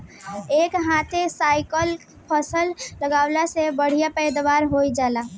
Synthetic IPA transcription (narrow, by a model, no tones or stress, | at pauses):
ekɦãt̪ʰesajkəl | pʰəsəlːəɡaʊlasebəɽ̤ijapəjd̪ʋaɾɦojd͡ʒala